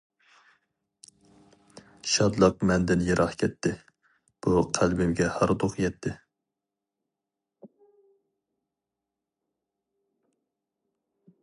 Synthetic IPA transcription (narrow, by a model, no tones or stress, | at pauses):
ʃɑd̪lˠəq̚mɛnd̪ɪnjeɾʔɑχkʲʰɛt̪ʰːɪ | b̥uqʰælbɪmɡʲɛhɑɾd̪oqjɛt̪ʰːɪ